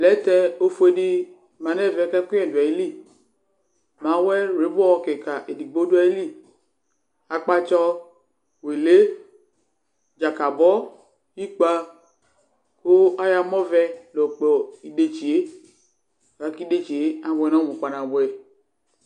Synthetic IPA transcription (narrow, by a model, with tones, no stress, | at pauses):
lɛ˨˦t̪ɛ˦o˦fu˦e˦ɖi˦ | mã˨nɛ˦˨vɛ˨˦ka˦ku˦ɛ˨du˨a˨i˦li˦ | mã˨˦wɛ˦ɾe˨˦bɔ˦wɔ˦ke˨ka˨ʔe˨di˨ɡ͡bo˦du˦a˨i˦li˦ | a˨k͡pa˦t͡ʃɔ˦ | we˨le˦ | d͡ʒa˨ka˨bɔ˦ | ji˦k͡pa˦ | ko˦a˦ja˨mɔ˦vɛ˦lo˨k͡pɔ˨i˨de˨t͡ʃi˨e˦˨ | a˨˦ki˦de˦t͡ʃi˨e˦a˨bɛ˨nɔ̃˦bu˨ka˨nã˨bʊ˨ɛ˨